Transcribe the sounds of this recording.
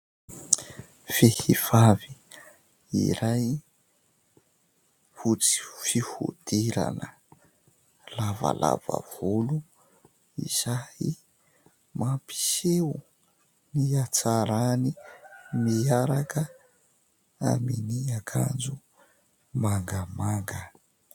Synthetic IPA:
fehiv̥avi | ḭɾaj | fut͡si̥fihṵd̪̥iɾa̰nə | lava̰la̰va̰v̥olu | ḭz̥ahi | mapi̥sewu | niat͡saɾanimiaɾakə | a̰miniakʰa̰nd͡zu | maŋɡəmaŋɡə

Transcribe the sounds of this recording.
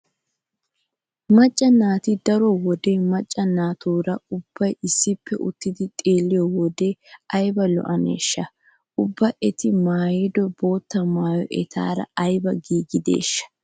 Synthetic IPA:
mɐt͡ʃʼːɐnaːt̪ɪd̪ɐɾɔwɔd̪eːmɐt͡ʃʼːɐnaːt̪uːɾɐʊb̥ːɐjɪsːɪpːɛ̰ʔʊt̪ːɪd̪ɪt̪ʼe̞ːlːɪjɔwɔd̪eɐjbɐlɔ̰ʔɐnḛːʃːɐ | ʔʊbːɐʔɛt̪ɪmaːjed̪ɔbo̞ːt̪ːɐmaːjɔʔɛt̪ʰa̰ːɾɐ̰ɐjbɐɡiːɡɪd̪ḛːʃːɐ̥

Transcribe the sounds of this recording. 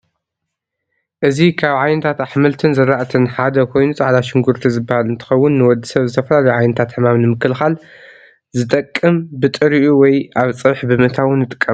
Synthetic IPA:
ʔɨzikʰaβʕajnɨt̪ʰat̪aħmɨlt̪ʰɨnzɨɾaʔt̪ʰɨnħad̪ɐkʰo̞jnut͡sʼaʕlaʃɪŋɡuɾt̪ʰizɨbːahalɨnt̪ʰɨ̥xɐwːʊnːɨwɔd̪ːi̥sɐβzɨt̪ʰɐfɐlalɐjuʕajnɨt̪ʰat̪ħɨmamnɨmɨkːɨlxal | zɨt̪ʼɐkʼːɨmbɨt̪ʼɨɾiʔuwɔjʔaβt͡sʼɨβħbɨmɨt̪ʰawʊnːɨt̪ʼɨ̥kʼːɐm

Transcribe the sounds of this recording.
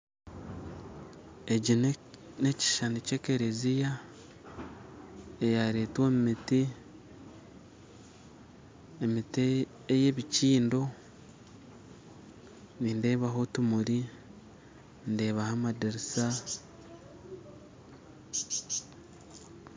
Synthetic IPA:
eɟin | neci̥ʃanice̞ke̞ɾezija | ejaɾeːtwoːmumiti | emit | eje̞βiciːndo̞ | niːnde̞ːβaɦo̞tumuɾi | ndeːβahamadiɾisa

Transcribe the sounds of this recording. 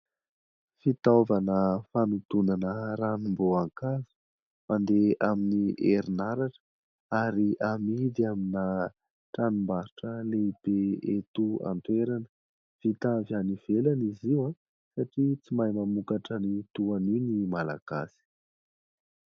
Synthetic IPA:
fit̪avanəfanut̪unanəɾanumboaŋkazu̥ | mand̪eaminiʔeɾinaɾaʈ͡ʂə̥ | aɾiʔamid̪iamina | ʈ͡ʂanumbaɾuʈ͡ʂəleib̥eet̪ua̰nt̪weɾanə | v̥it̪avaniv̥elaniziwa | saʈ͡ʂit͡simajmamukaʈ͡ʂənit̪uaninimala̰ɡ̥a̰si̥

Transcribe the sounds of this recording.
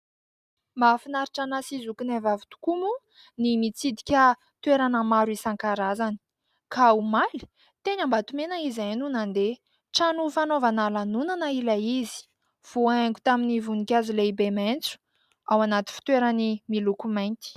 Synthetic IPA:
mafinaɾiʈ͡ʂanasizukunavavut̪u̥kumu | nimit͡sid̪i̥kʲa | t̪weɾanəmaɾuisaŋkaɾazani̥ | kaumali̥ | t̪eɲambat̪umenaizanunand̪e | ʈ͡ʂanufanovanalanunanailaizi̥ | v̥uaeŋɡʲu̥t̪aminivunikʲazileibement͡su̥ | awanat̪i̥fi̥t̪weɾanimilukumajnt̪i̥

